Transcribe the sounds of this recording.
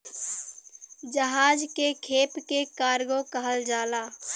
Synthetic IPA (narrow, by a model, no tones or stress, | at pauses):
d͡ʒəɦaːd͡ʒkekʰeːpkekaːɾɡokəɦəld͡ʒaːlaː